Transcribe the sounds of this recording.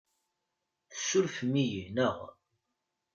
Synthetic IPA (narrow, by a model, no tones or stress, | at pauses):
θəsːʊɾfmijinəʁ